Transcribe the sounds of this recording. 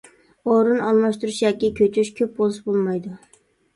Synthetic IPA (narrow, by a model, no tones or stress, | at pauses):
oɾɨnɑlˠmɑʃt̪uɾuʃjɑkʲːikʲʰøt͡ʃʰyʃkʲʰøp̚bolˠsɨbolˠmɑjd̪ʊ